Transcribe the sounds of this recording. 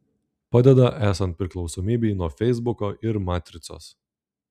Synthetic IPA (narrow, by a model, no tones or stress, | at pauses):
pɑd̪ʲɛd̪ɐʔæːsɐnt̪̚pʲɾʲɪklˠɒʊsɔːmʲiːbʲɛnuɔfʲɛɪzbʊkoʔɪɾmɑːt̪ʲɾʲɪt̪so̰ːs